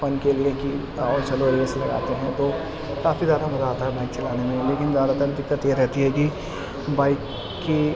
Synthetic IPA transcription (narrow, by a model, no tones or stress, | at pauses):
fɐnkelieki | ɔːɾt͡ʃɐloeleslɐɡa̰ːt̪eɦɛ̃t̪o | kaːfizjaːd̪abɐzaːt̪aɦɛbɛ̃ːŋkt͡ʃɐlaːnemẽleːkɪnd̪aːd̪at̪akd̪ɪkːət̪jeɾɛɦt̪iɦɛki | baːɪkː | i